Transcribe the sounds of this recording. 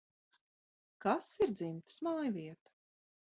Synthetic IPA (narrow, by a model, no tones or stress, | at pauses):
kasiɾd̪zimt̪smaːjviɛt̪ḁ